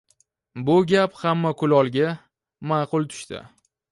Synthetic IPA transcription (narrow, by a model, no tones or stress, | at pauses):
bʊɡʲaphamːakʰʊlɒlˠɡʲa | mɑːqʊlˠt̪ʰʊ̥ʃt̪ɪ̰